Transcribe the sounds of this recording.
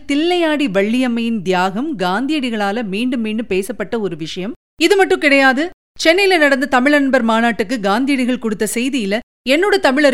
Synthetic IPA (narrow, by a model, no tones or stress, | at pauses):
t̪ɪlːɐjaːɽiʋɐɭːɪjɐmːɐjɪnd̪ɪjaːɣɐmɡaːnd̪ɪjɐɽɪɣɐɭaːlɐmiːɳɖɯmːiːɳɖɯmpeːsɐpːɐʈːɐɔɾɯʋɪʂɐjɐm | ɪðɯmɐʈːɯ̃kɪɽɐjaːðɯ | t͡ʃɛnːɪjlɐnɐɽɐnd̪ɐt̪ɐmɪɭɐnbɐɾmaːnaːʈːɯkːɯɡaːnd̪ɪjɐɽɪɣɐɭkɔɽɯt̪ːɐsɛjðɪjɪlɐ | ɛnːoːɽɐt̪ɐmɪɭɐ